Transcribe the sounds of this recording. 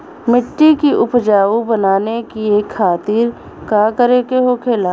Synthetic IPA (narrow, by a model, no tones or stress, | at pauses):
mɪʈːikiʔʊpd͡ʒaːʋubənaːnekieːkʰːaːt̪iɾ | kaːkəɾeːkeɦokʰeːlaː